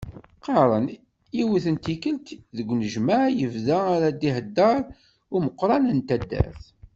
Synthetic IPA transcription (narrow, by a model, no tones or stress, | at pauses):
qɑɾˤən | iwiθənt̪ikəlt̪ðəɡʷːnəʒmaʕjəvðaaɾad̪ihəd̪ːɑɾˤ | ʊməqːɾˤɑnənt̪æd̪ːæ̰θ